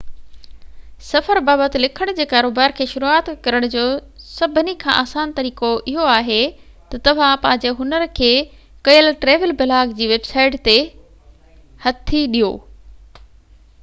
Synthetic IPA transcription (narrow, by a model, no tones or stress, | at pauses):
sɐfəɾbaːbət̪ɪlɪkʰəɽ̃d͡ʑeːkaːɾoːbaːɾkʰeːʃʊɾuaːt̪kɐɾəɽ̃d͡ʑoːsɐbʱnikʰã̰ʔaːsaːnt̪ɐɾiːkoʔɪɦoaːɦe | t̪ɐt̪ɐʋ̤ãpɐ̃ɦɪ̃ɲd͡ʑeɦʊnəɾkʰeːkɐjəlʈɾeːʋəlbɪlaːɡd͡ʑiːʋeːbsaːɪʈt̪e | hɐt̪ʰːiɗijo̰ː